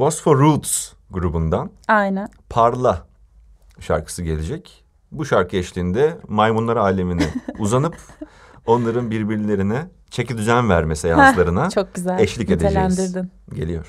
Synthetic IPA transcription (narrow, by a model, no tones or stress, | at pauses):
bost̪foɾut̪s | ɡuɾubund̪anajnænpʰaɾlˠa | ʃa̰ɾkʰɯ̥sɯɟe̞lʲed͡ʒɛc | buʃaɾkʰɯɛʃlʲiːnd̪ɛmajmunlˠaɾaːlʲeminiuzanɯp | o̞nlˠaɾɯnbiɾbiɾlʲe̞ɾinɛ | t͡ʃʰecid̪yd͡ʒanvæɾmesejanlˠaɾɯnat͡ʃʰok̚ɟyzæɛʃlʲice̞d̪ed͡ʒænd̪iɾd̪inɟe̞lʲijoɾ̥